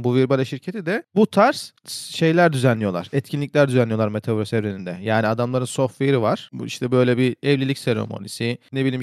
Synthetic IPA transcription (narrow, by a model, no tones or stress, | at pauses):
buviɾbalʲaʃiɾcʰet̪ʰid̪ɛbut̪ʰaɾs | ʃe̞jlʲæɾd̪yzænlʲːijo̞lˠa̰ɾ̥ɛt̪cʰinlʲicʲlʲæɾd̪yzɛnʲːijo̞lˠaɾmet̪ʰeboɾasevɾenind̪ɛjaːniad̪amlˠaɾɯnso̞fvejɾivaɾ̥ḭʃt̪ʰɛbø̞jlʲɛbiɛvlʲilʲicseɾo̞̰mo̰nisinebilʲiːm